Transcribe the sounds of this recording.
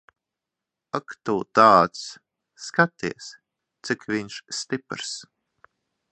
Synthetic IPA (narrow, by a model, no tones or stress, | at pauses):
akt̪uːt̪aːt̪sː | kat̪iɛs | t̪sikvʲiɲʃst̪ipɾs